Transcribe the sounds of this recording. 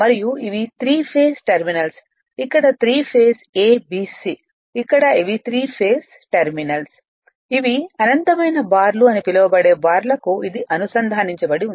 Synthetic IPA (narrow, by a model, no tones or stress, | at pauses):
mɐɾijuiʋit̪ʰɾiːpʰeːsʈeɾminɐls | ikːɐɽɐt̪ɾiːpʰeːseːbiːsi | ikːɐɽɐiʋit̪ʰɾiːpʰeːs | ʈeɾminɐls | iʋiɐnɐnt̪ɐmɐjnɐbaːɾluɐnipilɐʋɐbɐɽe̞ːbaːɾlɐkuid̪iʔɐnusɐnd̪ʱaːniɲt͡ʃɐbɐɽiun